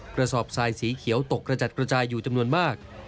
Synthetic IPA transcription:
kɾa˧sɔː˨˩p̚saː˨˧jsiː˩˦kʰi˩˦əwt̪o˨˩kːɾa˧t͡ɕa˨˩t̪̚kɾa˧t͡ɕaː˧jːuː˨˩t͡ɕa˧mnu˧ənmaː˥˩k̚

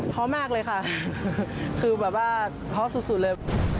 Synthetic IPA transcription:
p̪ʰɔ˦˥maː˥˩k̚lɤː˧jkʰa˥˩ | kʰɯː˧bɛː˨˩p̚waː˥˩ | p̪ʰɔː˦˥su˨˩su˨˩t̪̚lɤː˧j

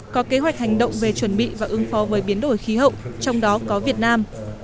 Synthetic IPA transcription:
kɔ˨˦ke˨˦ɦwa˨˩jk̟̚ha˨˩jŋ̟ɗə̰˧˨wŋ͡mve˨˩t͡ɕwə˧˩nɓḭ˧˨vaː˨˩ʔɨ˨˦əŋfɔ˨˦vəː˨˦jɓi˨˦ənɗo˧˩jxi˨˦ɦə̰˧˨wʔt͡ɕɔ˧wŋ͡mɗɔ˨˦kɔ˨˦vi˨˩ət̚naː˧m

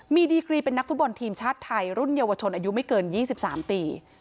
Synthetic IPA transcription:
miː˧diː˧kɾiː˧pe˧nːa˦˥k̚fu˦˥t̪̚bɔ˧nt̪ʰiː˧mt͡ɕʰaː˥˩t̪ʰːa˧jɾu˥˩njaː˧wa˧t͡ɕʰo˧nʔaː˧ju˦˥ma˥˩jkɤː˧njiː˥˩si˨˩p̚sa̰ː˩˦mt̪iː˧

